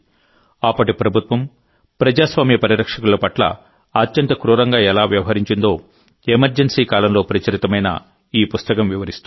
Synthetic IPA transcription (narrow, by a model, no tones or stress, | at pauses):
ɐpːɐʈipɾɐbʱut̪ʋɐm | pɾɐd͡ʒaːsʋaːmjɐpɐɾiɾɐkʂɐkululɐpɐʈlɐ̰ | ɐt̪jɐnt̪ɐkɾuːɾɐŋɡaːɛlaːʋjɐʋɐɦɐɾiɲt͡ʃind̪o̞ː | emɐɾd͡ʒensiːkaːlɐmlo̞ːpɾɐt͡ʃɐɾit̪ɐmɐjnɐ̰ | iːpust̪ɐkɐmʋiʋɐɾist̪u